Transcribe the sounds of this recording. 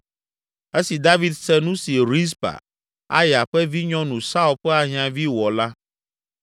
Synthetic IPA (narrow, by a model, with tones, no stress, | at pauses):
e˦si˨d̪a˦vi˨d̪sɛ˦nũ˦si˨ɾi˦s̬pa̰˨ | a̰˦jɛ˨a˨ɸɛ˦vi˦ɲɔ̃˦nũ˨sa˦u˦lɸɛ˦a˨ɦĩ˦ã˨vi˦wɔ˨la˦